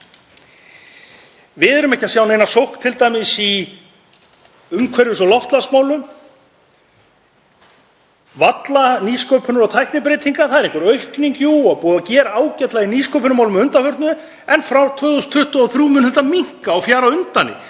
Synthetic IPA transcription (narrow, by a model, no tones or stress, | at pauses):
vɪðɛɾʏmɛhcːɪasjawnejnasowhkt̪ʰɪlt̪ajmɪsi | ʏmkʰvɛɾjʏsɔlɔft̪lasmaːwlʏm | vat̪laniskowpʰʏnʏɾawt̪ʰajhpnɪpɾejt̪iŋkaθaðɛɾẽŋkvʏɾœɥhkniɲcuaðpuːðacɛːɾaaːwcɛt̪lainiskowpʏnʏmawlʏmʏnt̪afʏɾ̥t̪nʏ | ɛnfɾawt̪ʰœːðɔst̪ʰʏht̪ɔaθɾuːmʏnhɛt̪amiŋ̥kaːwfjaːɾaʏnt̪anːɪ̰